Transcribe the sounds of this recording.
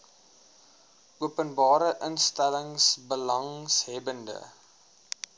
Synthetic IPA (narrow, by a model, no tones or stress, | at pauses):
ʔuəpənbɑːɾəʔənstæləŋsbəlɐŋsɦɛbəndə̰